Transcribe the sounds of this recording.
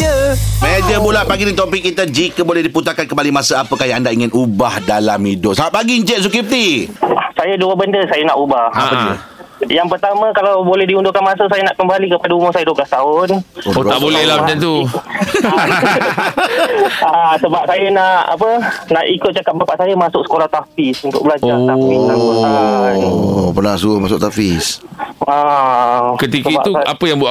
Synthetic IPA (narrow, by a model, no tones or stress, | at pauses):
jəmed͡ʒəmulaʔpaɡinəŋt̪opik̚ːit̪əd͡ʒikəbolɛhdiput̪akankəmbalimasəapəkajaandaʔiŋɪnubahdalamidʊʔsaaʔ̚paɡiɲd͡ʒɛʔ̪̚s̬ukip̚t̪isajəduəbəndəsajənaʔubaaə̰ | jaŋpərt̪amãkalawbolɛhdiundʊkanmãsəsajanaʔkəmbalikəpadaumʊrsajəduokast̪aʊnot̪aʔbolɛhlahmət͡ʃant̪u | asəbap̚sajanaʔa̰pənaʔikʊt̪̚t͡ʃakap̚bapaʔsajamasʊk̚sə̥kolaht̪afisunt̪ʊ̰k̚bəlaoaiaa | pərnas̬uəmasʊk̚t̪afisa | kət̪ikəaiba̰uapəjaŋbua